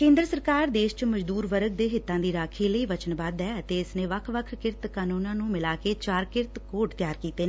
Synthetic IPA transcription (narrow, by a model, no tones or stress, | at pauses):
kẽːnd̪ɾəsəɾkaːɾd̪eːʃt͡ʃməd͡ʒd̪uːɾʋəɾəɡ̚d̪eːɦɪt̪ːãːd̪iːɾaːkʰeːləiːʋət͡ʃənbaːd̪ɛːət̪eːɪsnẽːʋəkʰʋəkʰkɪɾt̪kaːnũːnãːnũːmɪlaːkeːt͡ʃaːɾkɪɾt̪koːʈt̪jaːɾkiːt̪eːnː